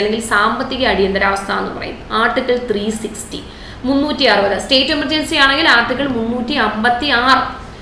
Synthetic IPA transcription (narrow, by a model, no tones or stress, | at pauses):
leŋɡilsaːmbɐt̪ːiɣɐɐɽijɐnd̪ɐɾaːʋɐst̪ʰaːenːɨ̰pɐ̰rɐ̰jṵmaːrʈːikːɐɭt̪riːsikstḭ | munːuːtːiɐrɨbɐðɨste̞ːtːemɐrd͡ʑɐnsijaːɳeŋɡilaːʈːikːɐɭmunːuːtːiɐmbɐt̪ːiaːrɨ